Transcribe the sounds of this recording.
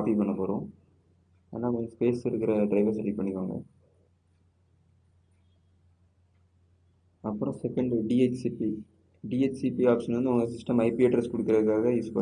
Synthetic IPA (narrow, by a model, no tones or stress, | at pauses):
fipɐɳːɐpoːɾõː | a̰ːnaːʋɐŋɐspeːsɪɾɯkːɪɾɐɖɾɐɪʋɐɾsɐlːipɐɳːɪkːaːŋɡɐ̰ | ɐpːɯɾʊ̃sɛkːɐɳɖɖiet͡ʃsipi | ɖiːet͡ʃsipiaːpʂɐnʋɐnd̪ɯʊŋɡɐsɪsʈɐmɐɪpieːʈɾɐskʊɽɯkːɪɾɐðɯkːaːɣɐjuːspɐɳ